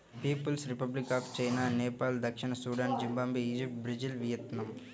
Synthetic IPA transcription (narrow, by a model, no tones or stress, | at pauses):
piːpɐlsɾipɐblikaːft͡ʃɐjnaːneːpaːld̪ɐkʂiɳɐsuːɽaːnd͡ʒimbaːmbiiːd͡ʒip̚ʈ̚bɾid͡ʒilʋijɐt̪nɐm